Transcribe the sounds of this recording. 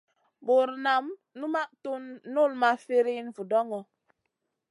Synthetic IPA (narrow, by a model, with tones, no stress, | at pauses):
bo˨ɾna˨m | nu˦ma˦ʔto˦nːo˦˨lma˦fe˦ɾi˦nvu˨dɔ˦ŋɔ˨